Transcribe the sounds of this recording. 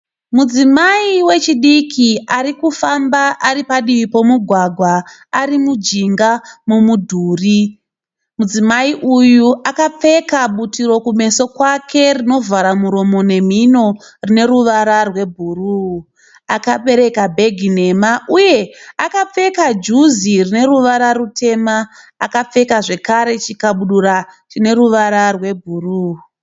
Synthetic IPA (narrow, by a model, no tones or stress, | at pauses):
mud͡zimaiwe̞t͡ʃiɗikʰiaɾikufambaʔaɾipaɗiʋipo̞muɡʱwaɡʱwaaɾimud͡ʒiŋɡamumudʱuːri | mud͡zimaiʔujuʔakap͡fe̞kaɓutiro̞kume̞so̞kwakʰe̞rino̞vaɾamuɾo̞mo̞ne̞m̤ino̞rine̞ɾuʋaɾarwe̞bʱuruː | akape̞ɾe̞kabʱe̞ɡʱine̞maʔuje̞akap͡fe̞kad͡ʒuzirine̞ɾuʋaɾarutʰe̞maː | kap͡fe̞kaʐe̞kaɾe̞t͡ʃikaɓuɗuɾat͡ʃine̞ɾuʋaɾarwe̞bʱuruː